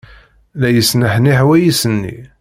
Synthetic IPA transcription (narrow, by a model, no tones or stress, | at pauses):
læjəsnəħniħwæjisənːḭ